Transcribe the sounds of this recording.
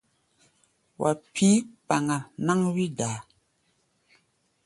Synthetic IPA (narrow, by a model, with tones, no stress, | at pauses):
wʔa̰˨pʰi˦pa˨ŋa˨na˦ŋwi˦daː˨